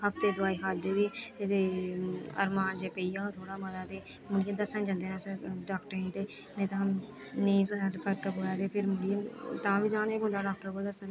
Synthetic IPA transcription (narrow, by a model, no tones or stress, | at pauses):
ɦəpt̪eːd̪ʊaːiːɦaːd̪eːd̪it̪eː | ə̰ɾmaːnd͡ʒeːpeiːãːt̪ʰoːɽaːməzaːt̪eː | mʊɽijaːd̪əsə̃nd͡ʒãnd̪eːnaːsəɾɖaːkʈəɾt̪eː | nẽːt̪aːəm | niːsəɾpʰəɾkəboːjaːt̪eːpʰɪɾmʊɽijat̪ãːʋiːd͡ʒãːneːɦʊ̃nd̪aːɖaːk̚ʈəɾɡoːld̪əsn